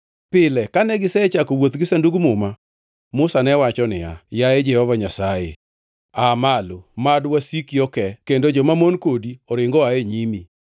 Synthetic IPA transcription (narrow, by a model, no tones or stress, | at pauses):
pɪlɛkanɛɡɪsɛt͡ʃakowot̪ɡɪsanduɡmʊma | mʊsanɛwat͡ʃɔnɪa̰jaed͡ʒɛhɔvaɲasajḛ | amalomadwasikiɔkɛkendod͡ʒɔmamonkodiɔɾɪŋɡɔaeɲimi